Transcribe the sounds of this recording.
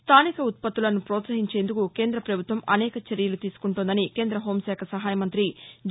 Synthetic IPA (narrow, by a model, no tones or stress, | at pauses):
st̪ʰaːnikɐut̪̚pɐt̪ːulɐnupɾɔːt̪sɐɦiɲt͡ʃeːnd̪ukukeːnd̪ɾɐpɾɐbʱut̪ʋɐmɐnɛːkɐt͡ʃeɾijɐlut̪iːsu̥kuɳʈund̪ɐnike̞ːnd̪ɾɐɦo̞ːmsɛːkʰɐsɐɦaːjɐmɐnt̪ɾid͡ʒ